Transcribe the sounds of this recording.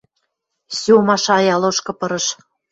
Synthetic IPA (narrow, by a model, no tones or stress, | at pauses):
sumɑʃɑjɑloʃkɤ̆pɤ̆ɾɤ̆ʃ